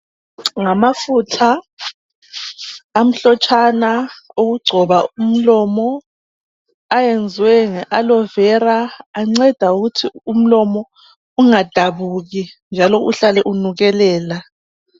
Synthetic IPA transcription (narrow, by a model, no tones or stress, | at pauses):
ŋamafutʰa | m̩ɬɔt͡ʃʼanaoɣuɡ͡ǀʱɔβaum̩lɔmɔ | ajend͡zʱwɛŋɛʔalɔvɛɾaːŋ͡ǀɛd̥ʱauɣutʰium̩lɔmɔ | uŋad̥ʱaβuɣind͡ʒʱalɔʔṵɬalɛʔunuɣɛlɛːla